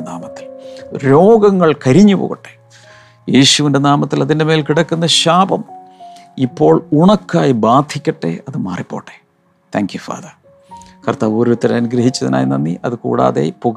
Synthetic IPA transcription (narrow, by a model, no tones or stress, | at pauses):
naːmɐt̪ːi̥lɾo̞ːɡɐŋːɐɭkɐɾiɲːupo̰ːɣɐʈːe̞ | jeːɕuʋinde̞naːmɐt̪ːilɐðinde̞meːlkiɽɐkːunːɐɕaːbɐm | ipːo̞ːɭuɳɐkːaːjibaːd̪ʱʰikʲːɐʈːe̞̰ɐðɨma̰ːripːo̞ːʈːe | t̪ʰaːŋkjufa̰ːðɐ | kɐrt̪aːʋuːɾut̪ːɐɾeɐnuɡɾɐɦit͡ɕːɐðḭna̰ːjinɐnːiʔɐðɨkṵːɽa̰ːðḛpoɣ